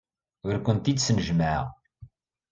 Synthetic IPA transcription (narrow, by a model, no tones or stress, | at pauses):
ʊɾkʷənt̪id̪snəʒməʕ̰